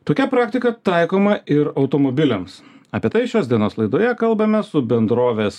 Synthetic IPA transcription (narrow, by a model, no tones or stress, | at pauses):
t̪oːkʲɛpɾɑːkt̪ʲɪkɐt̪ɑɪkoːmɐɪɾɒʊt̪oːmobʲɪlʲɛms | ɐpʲiɛt̪ɐɪʃʲoːsd̪ʲiɛnoːslˠɐɪd̪oːjɛkɐlˠbɐmʲɛsʊbʲɛnd̪ɾoːʋʲeːs